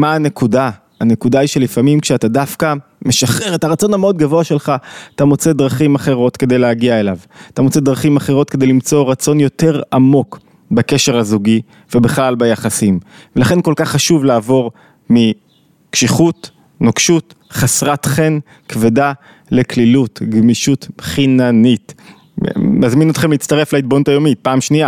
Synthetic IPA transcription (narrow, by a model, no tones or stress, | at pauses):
maːnekuda | ane̞kudaiʃe̞lifamimkʃeat̪adafka | me̞ʃaχeʁe̞taʁat͡so̞nameo̞d̪ɡavo̞aʃe̞lχaat̪amo̞t͡sed̪ʁaχimaχe̞ʁo̞t̪ke̞d̪e̞jleaɡiaelavat̪amo̞t͡se̞d̪ʁaχimaχeʁo̞t̚ke̞d̪ejlimt͡so̞ʁat͡so̞njo̞te̞ʁamo̞k | bake̞ʃe̞ʁhazuɡi | vebeχlalbajaχasimvelaχe̞nko̞lkaχːaʃuvlaːvo̞ʁ | mi | kʃiχut | nokʃut | χasʁatχe̞n | kveda | le̞klilutɡmiʃutχinanit | mazmino̞t̪χe̞mliːt͡st̪aʁe̞flaid̚bonutajo̞mit̚paːmʃnia